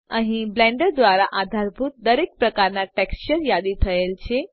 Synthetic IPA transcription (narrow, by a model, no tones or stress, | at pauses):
ã̰ɦĩblɛ̃ɳɖəɾd̪ʋaɾaʔad̪ʱaɾbʱut̪̚d̪əɾek̚pɾəkaɾnaʈɛkst͡ɕəɾjad̪it̪ʰəjelt͡ɕe